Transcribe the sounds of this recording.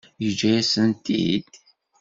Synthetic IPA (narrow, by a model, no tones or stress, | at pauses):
jəd͡ʒæjæsənt̪ḭd̪̥